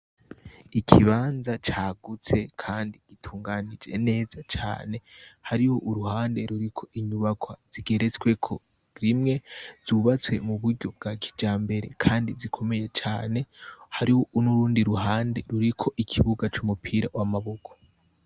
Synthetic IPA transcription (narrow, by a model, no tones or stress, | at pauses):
ikʰiβaːnzat͡ʃaːɡut͡se̞kʰaːndiɡ̥itʰuːŋɡanid͡ʒe̞̰ne̞ːzat͡ʃa̰ːne̞haɾiho̞ʔuɾuhaːnde̞ɾuɾikʰo̞ʔiɲuβakʰwaz̥iɡe̞ɾe̞t͡swe̞kʰo̞ | ɾimŋe̞z̥uβat͡swe̞muβuɾɟo̞b̚ɡakʰi̥d͡ʒaːmbe̞ɾe̞kʰaːndizikʰo̞me̞je̞t͡ʃaːne̞haɾiho̞ʔunuɾuːndiɾuɦaːnde̞ɾuɾikʰo̞ʔikʰiβuɡat͡ʃumupʰiːɾa̰wamaβo̞kʰo̥